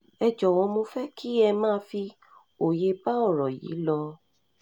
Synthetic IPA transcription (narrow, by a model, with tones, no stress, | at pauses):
ɛ˧d͡ʒɔ˨wɔ̃˧mo˧fɛ˦kʰi˦ɛ˧mãː˦˧fi˧ | o˨je˧ba˦ɔ˦˨ɾɔ˨jḭ˨˦lɔ˧